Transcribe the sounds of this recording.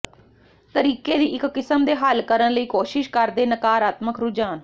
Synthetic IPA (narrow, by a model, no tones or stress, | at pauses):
t̪əɾiːkeːd̪iːʔɪkːɪsəmd̪eːɦəlkəɾənləiːkoːʃɪʃkəɾd̪eːnəkaːɾaːt̪məkɾʊd͡ʒaːn